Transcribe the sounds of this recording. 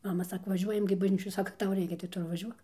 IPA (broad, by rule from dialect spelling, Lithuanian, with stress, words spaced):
ˈmɑːmɐ ˈsɑːkoː ʋɐˈʒʲuɔjɛm ɡʲɪ bɐʒʲˈnʲiːt͡ʃʲoːj ˈsɑːkɐ ˈtɐʊ ˈrʲɛɪkʲɛ tɐɪ ˈtʊ ɪr ʋɐˈʒʲuɔk